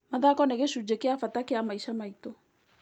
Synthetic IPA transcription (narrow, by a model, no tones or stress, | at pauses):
maðakɔnɛɣeʃud͡ʒekeafatakeamaiʃamaitɔ